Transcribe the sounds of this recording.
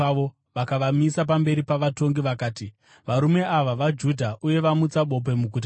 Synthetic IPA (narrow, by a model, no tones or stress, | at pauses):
o | ʋakaʋamisap̬ambe̞ɾipaʋato̞ŋɡiʋakaːti | ʋaɾume̞aʋaʋad͡ʒudʱaʔuje̞ʋamut͡saɓo̞p̬e̞muɡʱut̬a